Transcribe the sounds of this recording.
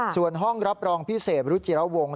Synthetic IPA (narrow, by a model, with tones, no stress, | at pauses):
su˨˩ənɦɔ˥˩ŋɾa˦˥p̚ɾɔː˧ŋpʰi˦˥˩seː˨˩t̪̚ɾɯː˨˦˥t͡ɕi˨˩ɾa˦˥wo˧ŋ